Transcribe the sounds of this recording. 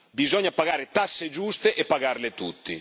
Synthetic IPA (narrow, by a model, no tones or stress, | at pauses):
bizɔɲːapaɡaːɾet̪asːed͡ʒust̪eʔɛpːaɡaɾlet̪ut̪ːḭ